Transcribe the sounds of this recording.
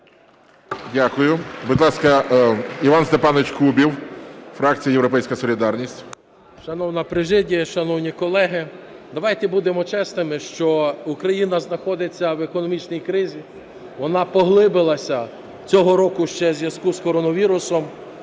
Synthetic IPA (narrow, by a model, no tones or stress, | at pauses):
dʲakʊjʊbud̪ʲlˠɑskɐiʋɑnst̪epɑnɪt͡ʃkubʲiwfɾɑk̚t͡sʲijɐjewɾɔpɛjsʲkɐsɔlʲid̪ɑrnʲisʲtʲ | ʃɐnɔwnɐpɾɪʒɪdʲiɐʃɐnɔwnʲikɔlˠɛɦɪ | d̪ɐʋɑjt̪ɛbud̪emɔt͡ʃɛsnɪmɪʃt͡ʃɔukɾɐjinɐznɐxɔd̪ɪt͡sʲːɐwekɔnɔmʲit͡ʃnʲijkɾɪzʲi | ʋɔnɑpɔɦlˠɪbɪlˠɐsʲɐ | t͡sʲɔɦɔɾɔkʊʃt͡ʃɛzʲjɐz̥kuskɔɾɔnɔʋʲiɾʊsɔm